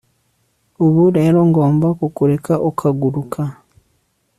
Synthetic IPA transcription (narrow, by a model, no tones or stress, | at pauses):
oβuɾeɾoːŋɡoːmbakukuɾe̞kaʔokʰaɡuɾukʰa